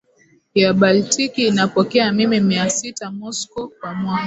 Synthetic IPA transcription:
iaɓaltikiːnapɔkɛamimimiasitamɔskɔkwamwa

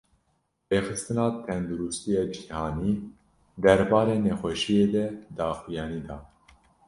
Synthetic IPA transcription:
beːxɨst̪ɨnɑːt̪ʰɛnd̪uɾust̪ijɑːd͡ʒihɑːniː | d̪ɛɾbɑːɾeːnɛxʷɛʃijeːd̪ɛd̪ɑːxijɑːniːd̪ɑ̰ː

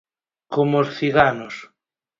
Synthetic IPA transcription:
komosθiɣanos

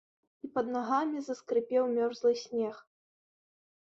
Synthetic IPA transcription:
ipɐd̪naɣamʲizɐskɾɨpʲɛwmʲɔrzlˠɨsʲnʲɛx

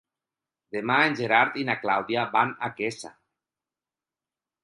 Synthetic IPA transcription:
d̪emaenʲd͡ʒeɾaɾt̪inaklawðjabanakesa̰

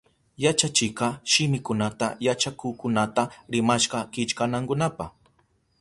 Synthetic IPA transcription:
jat͡ʃat͡ʃɪkɑʃɪmɪkʊnat̪a̰jat͡ʃakʊːkʊnat̪aɾɪmaʃɢɑkɪt͡ʃkanaŋkʊnapɑχ

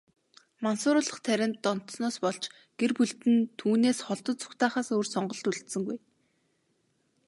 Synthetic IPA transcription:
mansʊːɾʊːɮə̆χt̪ʰæɾʲɪ̆nt̪ːɔn̥t̪snɔːspɔɮt͡ɕ | ɡ̥erpuɮt̪ɘ̆nt̪ʰuːneːsχɔɮt̪ɞ̆t͡sʊ̥kt̪aːχaːsoːrsɔɴɢɞ̆ɬt̪uɮt̪sɘ̆ŋɡuj

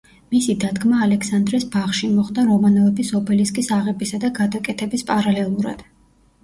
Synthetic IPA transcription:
misid̪ad̪ɡmaːlɛksand̪ɾɛsbaχʃimɔχd̪aɾɔmanɔvɛbisɔpʰɛliskʼisaʁɛbisad̪aɡad̪akʼɛt̪ʰɛbispʼaɾalɛlˠuɾa̰d̪̥

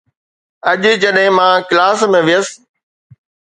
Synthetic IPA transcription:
ɐʄd͡ʑɐɗɦɪ̃mãːklaːsmẽʋɪjəs

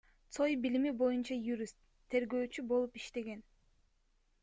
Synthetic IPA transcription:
t̪so̞jbilimibo̞junt͡ʃɑjuɾʲist̪ʰːe̞ɾɡø̞ːt͡ʃybo̞lˠupiʃt̪e̞ɡe̞n

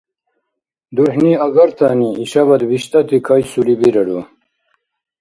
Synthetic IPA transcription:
d̪uħniɐɡɐɾt̪aːniiɕɐbɐd̪biɕt̪ɐt̪ikʰɐjsulibiɾɐɽo

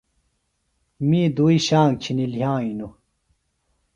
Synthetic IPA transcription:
miːd̪uːiɕaːŋt͡ɕʰiniljãːinu

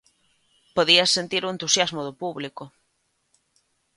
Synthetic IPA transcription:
poðiɐsːent̪iɾʊent̪usjazmʊðʊpuβlikʊ

